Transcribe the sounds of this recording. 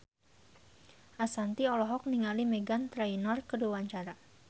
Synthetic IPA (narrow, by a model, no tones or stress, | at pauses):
ʔasant̪iɔlɔɦɔk̚niŋalimeɡant̪ɾainɔrkəduwaɲt͡ʃaɾa